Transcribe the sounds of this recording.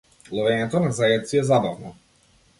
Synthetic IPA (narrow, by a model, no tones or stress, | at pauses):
lˠɔvɛɲɛt̪ɔnazaɛt̪t̪siɛzabavnɔ